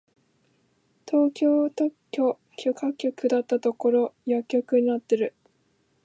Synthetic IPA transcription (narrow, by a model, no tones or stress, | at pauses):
t̪ʰo̞ːkʲo̞ːt̪okʲːo | kʲʰokakʲːokɯ̟d̪at̪ːat̪o̞ko̞ɾo̞jakʲːo̞kɯ̟ɲ̟inat̪ːe̞ɾɯ̟